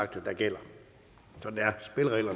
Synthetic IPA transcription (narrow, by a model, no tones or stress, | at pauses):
ɑ̈ɡ̥̚d̥əd̥ɑ̈ɡ̥el̰ɐ | sɒ̽dneæɐsb̥e̝lʁɛ̰ːlɐn